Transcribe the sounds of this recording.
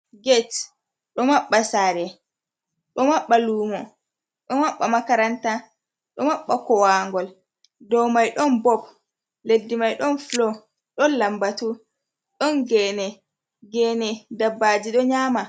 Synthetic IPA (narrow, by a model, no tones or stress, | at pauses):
ɡɛt | ɗɔmaɓːasaːɾɛ | ɗɔmaɓːaluːmɔ | ɗɔmaɓːamakaɾanta | ɗɔmaɓːakɔwaŋɡɔl | dɔwmajɗɔnbɔp̚ | ledːimajɗɔnflɔ | ɗɔnlambatu | ɗɔnɡɛːnɛ | ɡɛːnɛdabːad͡ʒiɗɔɲaːma